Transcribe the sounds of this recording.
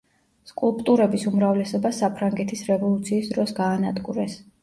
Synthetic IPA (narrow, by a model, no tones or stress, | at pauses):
skʼulˠpʼt̪ʼuɾɛbisumɾavlɛsɔbasapʰɾaŋɡɛt̪ʰisɾɛvɔlˠut̪sʰiːsd̪ɾɔsɡaːnad̪ɡuɾɛs